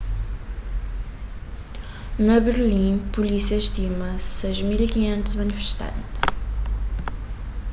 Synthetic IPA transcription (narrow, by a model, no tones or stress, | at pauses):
nɐβɨɾlˠĩpulisiɐʃt̪imɐsejʒmilˠikiɲẽnt̪uzmɐnifɨ̥ʃt̪ɐ̰̃nt̪